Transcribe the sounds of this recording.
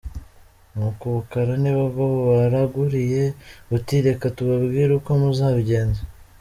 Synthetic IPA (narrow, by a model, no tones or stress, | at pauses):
nukuβukaɾaniβaβaβoβaɾaɡuɾije̞utiɾe̞katuβabɡiːɾukomuzaːβɟeːnze